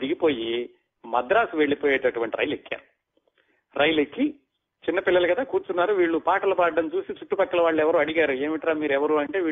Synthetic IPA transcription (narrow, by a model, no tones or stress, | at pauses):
d̪iɡipo̞ːji | mɐd̪ɾaːsuʋe̞ɭːipoːjeːʈɐʈuʋɐɳʈiɾɐ̰jlekːa̰ːɾu | ɾɐjlekːi | t͡ʃinːɐpilːɐlɐkɐd̪aːkuːɾt͡ʃunːaːɾuʋiːɭːupaːʈɐlɐpaːɖɐɖɐnt͡ʃuːsit͡ʃuʈːupɐkːɐlɐʋaːɭːuɛʋɐɾuːɐɽiɡaːɾue̞ːmiʈɐɾaːmiːɾɛʋɐɾuɐɳʈe̞ːʋiː